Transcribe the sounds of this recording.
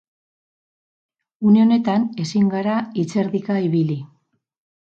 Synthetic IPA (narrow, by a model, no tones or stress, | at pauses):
uneo̞ne̞t̪ane̞siŋɡaɾait͡se̞ɾðikaiβili